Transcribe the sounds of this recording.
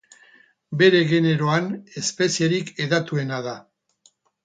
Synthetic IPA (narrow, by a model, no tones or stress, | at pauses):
be̞ɾe̞ɣe̞ne̞ɾo̞ane̞spe̞sieɾike̞ðat̪ue̞naða